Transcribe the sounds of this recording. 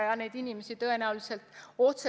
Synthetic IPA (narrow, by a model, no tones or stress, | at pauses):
jɑne̞jd̪inimesit̪ɤ̞e̞næulise̞lt̪o̞t̪se